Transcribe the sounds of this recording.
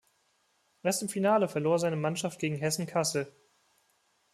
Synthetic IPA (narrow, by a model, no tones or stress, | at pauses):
ʔɛɐstɪmfinaːləfɛɐloːɐzaɪnəmanʃaft̚ɡ̥eːɡŋ̩ɦɛsn̩kʰasl̩